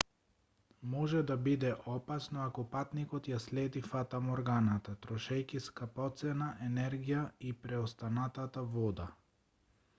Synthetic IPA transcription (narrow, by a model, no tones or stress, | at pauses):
mɔʒɛd̪abid̪ɛʔɔpasnɔakɔpat̪nikɔt̪jaslɛd̪ifat̪amɔɾɡanat̪at̪ɾɔʃɛjkiskapɔt̪sɛnaʔɛnɛɾɡijaipɾɛɔst̪anat̪at̪avɔd̪a